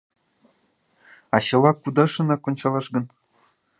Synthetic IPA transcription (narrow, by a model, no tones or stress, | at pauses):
ɑɕɤ̆lˠɑkːud̪ɑʂɤ̆nɑkŏnɕɑlˠɑʂɡɤ̆n